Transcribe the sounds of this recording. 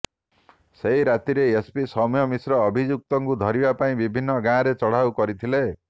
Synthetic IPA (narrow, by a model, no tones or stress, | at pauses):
seɦjɾat̪iɾeespisɔmjɔmisɾɔːbʱid͡ʒuk̚t̪ɔŋkud̪ʱɔɾibapaĩbibʱinːʌɡãɾet͡sɔɽ̤awkɔɾit̪ʰile